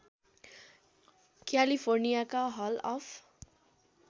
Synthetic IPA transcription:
kjalipʰornijakaɦʌlʌpʰ

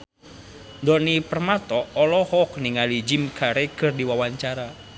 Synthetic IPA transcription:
ndɔnipərmat̪ɔːlɔhɔkniŋalid͡ʒimkaɾekɨrdiwawaɲt͡ʃaɾa

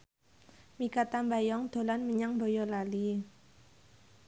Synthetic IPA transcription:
mikat̪ambajɔŋd̪̥o̤lanməɲaŋbɔjɔlali

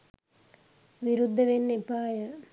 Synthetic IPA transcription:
ʋiɾud̪ʱːɐʋenːepaːjɐ

